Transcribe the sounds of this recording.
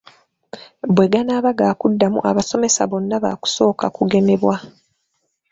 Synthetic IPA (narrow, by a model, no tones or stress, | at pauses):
bwe̞ɡanaːβaɡaːkudːamṵʔaβaso̞me̞sa̰βo̞nːaβa̰ːku̥so̞ːkakuɡe̞ne̞βwa